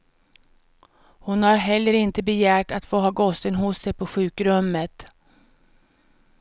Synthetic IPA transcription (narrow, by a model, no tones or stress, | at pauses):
hʊnhaɾɦɛlːəɾɪnt̪əbɛjæːʈat̪foːɦɑːɡɔsːənɦʊsːɛjpʰɔɧʉ̟ːkɾɵmːət̪